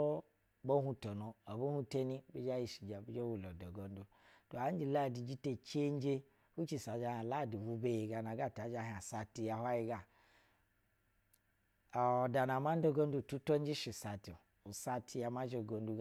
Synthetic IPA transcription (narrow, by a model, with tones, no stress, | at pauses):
bo˦ɦu˦to˨no˨o˨bo˦hu˦te˦ni˦bi˦d͡ʒa˦ji˨ʃi˨d͡ʒa˨bi˦d͡ʒo˦wu˨lo˨do˨ɡo˨n˦du˨ | to˨a˨˦n˦d͡ʒi˨la˦˨di˨d͡ʒi˦te˦t͡ʃe˦n˦d͡ʒe˦ | u˦t͡ʃi˨sa˨˦d͡ʒa˦ha˨la˦˨du˨wu˨be˨je˨ɡa˨na˨ɡa˦˨ta˨˦d͡ʒa˦ɦa˨sa˨ti˨ja˨ha˦ji˦ɡa˨ | da˨na˨ma˦n˦do˦ɡo˦n˦du˦˨tu˦to˦n˦d͡ʒi˦ʃi˨sa˨ti˨ | u˨sa˧tʰi˧ja˨ma˦d͡ʒe˨ɡo˨ndu˦